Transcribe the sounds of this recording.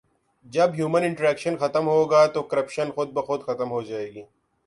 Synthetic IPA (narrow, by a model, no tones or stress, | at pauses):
d͡ʒɐbɦjuːmənɪ̃ɳʈɾɛːkʃənxɐt̪əmɦoːɡaːt̪oːkɐɾɐpʃɐnxʊd̪̚bɐxʊd̪xɐt̪əmɦoːd͡ʒaːeːɡiː